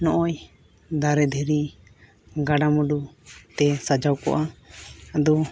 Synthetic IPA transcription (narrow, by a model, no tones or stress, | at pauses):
nɔʔɔj | d̪aɾɛd̪ʱɛɾi | ɡaɖamuɖut̪ɛsad͡ʒawkɔ̰ʔaad̪ɔ